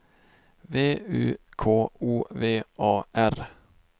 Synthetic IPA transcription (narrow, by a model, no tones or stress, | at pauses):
ʋeːʉ̰ːkʰoːuːʋeːʔɑːʔæɾ